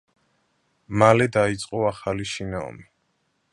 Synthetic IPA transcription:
malɛd̪ait̪sʼqʼɔaχaliʃinaɔ̰mi

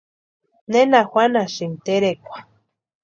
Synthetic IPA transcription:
nenaxwanaʃint̪eɾekʷḁ

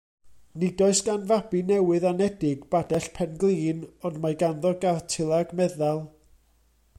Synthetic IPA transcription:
nɪdɔɨsɡ̥anvabinɛwɨðanɛdɪɡb̥adɛɬpʰɛnɡlˠiːnɔndmaɡanðɔɡartʰɪlˠaɡmɛðalˠ

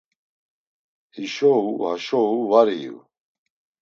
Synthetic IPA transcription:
hiʃɔuhaʃɔuvaɾḭ

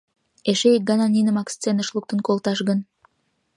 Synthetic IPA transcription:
eʃeek̚ɡɑnɑnʲinəmɑkst͡senəʃluk̚t̪ə̆nkolt̪ɑʃɣən

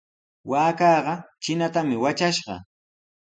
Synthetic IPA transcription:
waːkɑːɢɑt͡ʃɪnat̪amɪwat͡ʃaʃɢɑ̰

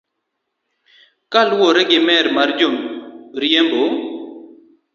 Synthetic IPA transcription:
kalwoɾɛɡɪmɛɾmaɾd͡ʒomɾijembo

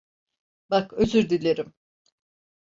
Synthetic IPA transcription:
bakøzyɾd̪ilʲeɾim

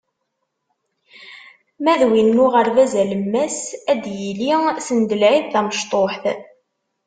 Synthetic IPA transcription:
mæðwinːʊʁəɾðæzæləmːæsæd̪jilisənd̪əlʕiðːæməʃt̪ˤoħθ

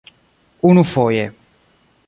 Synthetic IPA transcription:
unufɔje

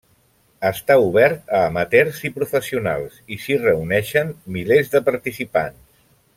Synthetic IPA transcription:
əst̪auβ̞ɛɾt̪əːmət̪ɛɾzipɾufəsiuna̰lˠsisirəunɛʃənmilezðəpəɾt̪isipa̰ns

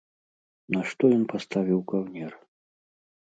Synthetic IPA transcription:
nɐʂt̪ɔjɔnpast̪avʲiwkawnʲɛr

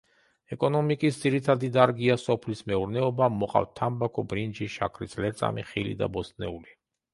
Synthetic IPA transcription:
ɛkʼɔnɔmikʼisd̪ziɾit̪ʰad̪id̪aɾɡiasɔpʰlismɛuɾnɛɔbamɔqʼa̰ft̪ʰambakʰɔbɾind͡ʒiʃa̰kʰɾislɛɾt̪sʼa̰mḭχilḭd̪a̰bɔsnɛuli

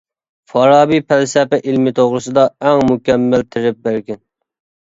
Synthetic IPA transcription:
fɑɾɑːbipʰælsɛpɛʔilmɪt̪ʰoʁɾɨsɨd̪ɑɛŋmukʲɛmːælt̪ʰɪɾɪp̚bæɾɡʲɛn

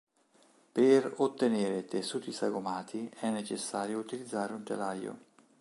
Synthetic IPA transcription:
peɾot̪ːeneːɾet̪esːuːt̪isaɡomaːt̪ʰiɛnːet͡ʃesːaːɾjout̪ilid̪zːaːɾeunt̪ḛlajo̰

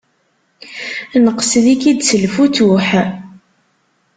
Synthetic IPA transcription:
nəqslikid̪səlfut̪uħ

